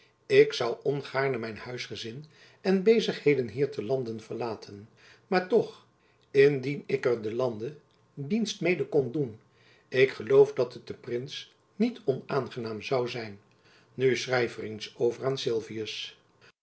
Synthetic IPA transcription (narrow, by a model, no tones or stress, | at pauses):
ɪksɑwɔnχaːɹnəmɛjnhœɥsχəzɪn | ɛnbejzəχhejdənɦiːɹtʰəlɑndənv̥əɹlaːtʰən | maːɹtɔχ | ɪndinɪkəɹdəlɑndə | dinstmejdəkɔndun | ɪkχəlowfdɑtət̚dəprɪns | nitɔnaːnχənaːmzɑwzɛjnː | ysrɛjvərɪnsowvəraːnsɪlˠviəs